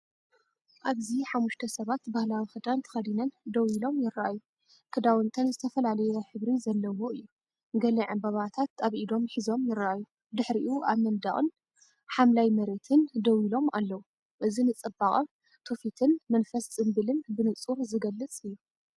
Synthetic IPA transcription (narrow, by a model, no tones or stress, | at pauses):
ʔaβziħamːuʃt̪ʰɐsɐβat̪bahlawixɨd̪ant̪ʰɐ̥xɐd̪inɐnd̪ɐwilo̞mjɪɾːaʔaju | kʰɨd̪awɨnt̪ʰɐnzɨt̪ʰɐfɐlalɐjɛħɨβɾizɐlːɐwoɨjːu | ɡɐliʕɨmbɐβat̪ʰat̪aβʔid̪o̞mħizo̞mjɪɾaʔaju | d̪ɨħɾiʔuʔaβmɐnd̪aχʼɨn | ħamlajmɐɾe̞t̪ʰɨnd̪ɐwilo̞malːɐwu | ʔɨzinɨt͡sʼɨbaχʼɐm | t̪ʰofit̪ʰɨnmɐnfɐst͡sʼɨmbɨlɨnbɨnɨt͡sʼuɾzɨɡɐlːɨt͡sʼɨjːu